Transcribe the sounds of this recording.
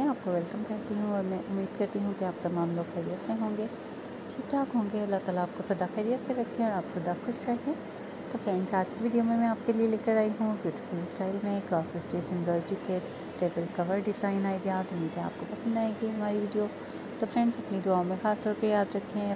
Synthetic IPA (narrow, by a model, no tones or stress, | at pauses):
ɛ̃aːp̚koʋɛlkəmkɐɦt̪iɦũɔːɾmɛ̃ʔʊmːiːd̪̚kɐɾt̪iɦũkiaːp̚t̪ɐmaːmloːɡxɛɾijət̪seɦõːŋɡeː | t͡ʃʰiʈaːkɦõːŋɡeɐlːaɦt̪aːlaːp̚kosɐd̪axɛːɾijət̪seɾɐkʰːẽɔːɾaːpsɐd̪axʊʃɾɐɦẽː | t̪ofɾɛ̃ɳɖzaːd͡ʒkiʋiːɖijomẽmɛ̃aːp̚kelielɪkəɾaːiɦũbjuːʈɪ̥fʊlsʈaːɪlmẽkɾɔːsɪsʈɾiːsɪ̃mbɾɔːld͡ʒike | ʈɾeːbəlkɐʋəɾɖɪzaːɪnaːiɡjaːt̪ʊmiːd̪ẽa̰ːp̚kopɐsə̃nd̪aːeɡiɦɐmaːɾiʋiːɖijo | t̪oːfɾɛ̃ːɳɖzɐpnid̪ʊaːõmẽxaːst̪ɔːɾpejaːd̪ɾɐkʰːẽ